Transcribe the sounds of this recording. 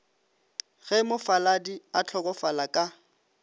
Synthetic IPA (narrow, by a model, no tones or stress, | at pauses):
ɣɛmʊfaladiat͡ɬʰɔkʼɔfalakʼa